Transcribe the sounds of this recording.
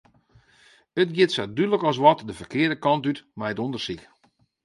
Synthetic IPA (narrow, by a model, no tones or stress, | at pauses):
ətɡjɪtsɛdydələkɔs̬ʋɔtdəfərkɪərdəkɑntytmajətondərsik